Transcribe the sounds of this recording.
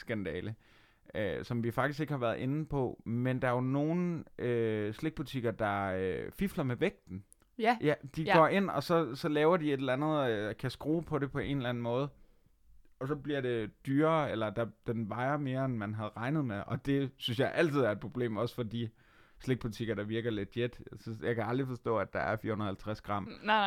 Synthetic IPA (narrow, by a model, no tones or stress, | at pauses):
sɡ̥ænd̥ɛ̰ːlə | øsɒ̽mʋifɑ̈ɡ̥d̥isɡ̥e̝ɡ̥əhɑ̈ʋæːɐð̩ˠʔe̝nn̩pʰɒ̽mend̥ɑ̈no̝ːn̩ʔøsle̝ɡ̥̚b̥ut͡sʰiɡ̥ɐd̥ɑ̈øfiflɐmeʋeɡ̥̚d̥n̩ | jæd̥iɡ̥ɒe̝n̰ɒ̽sɒ̽sɒ̽lɛːʊɐd̥ie̝d̥lænð̞̩ˠkʰæsɡ̥ʁo̝̰ːpʰɒ̽ɾe̝pʰɒ̽e̝̰ːnelæn̩mɔ̽ːð̞̩ˠ | ɒ̽sɒ̽bliɐɾe̝d̥yːɐelɐd̥ɑ̈d̥enʋɑ̈ɪɐme̝ːɐenmænɦæð̞̩ˠʁɑ̈ɪnð̞̩ˠmeʔɒ̽d̥e̝synsjɑ̈ɪʔæl̰t͡sʰiðˠæɐe̝d̥̚pʰʁo̝b̥le̝̰ːmɒ̽sfɒ̽d̥i | sleɡ̥̚b̥ut͡sʰiɡ̥ɐɾ̥ɑ̈ʋiɐɡ̥ɐled̥jed̥jɑ̈ɪkʰæɑ̈ld̥ʁifɒ̽sd̥ɔ̰̽ːæd̥ɑ̈æɐfiɐhunɐð̩ˠhælt͡sʰʁasɡ̥ʁɑ̈m̰